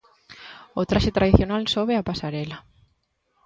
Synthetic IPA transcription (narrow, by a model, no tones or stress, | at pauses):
ot̪ɾaʃet̪ɾaðiθjonalsoβeapasaɾela